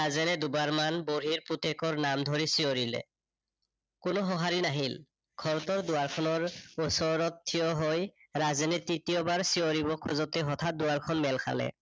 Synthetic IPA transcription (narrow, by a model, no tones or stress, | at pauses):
azɛnɛd̪ubaɹmanboɹiɹput̪ekɔɹnamd̪ʱoɹisioɹilɛ̰ | kʊnoɦɔɦaɹinaɦil | ɡʱɔɹɔt̪ɔɹdʊaɹkʰɔnɔɹosɔɹɔtʰːijɔɦoj | ɹazɛnetit̪ijɔbaɹsijoɹibɔkʰːɔzɔt̪ɛɦɔt̪ʰat̚d̪ʊaɹkʰɔnmɛlkʰa̰lɛ̰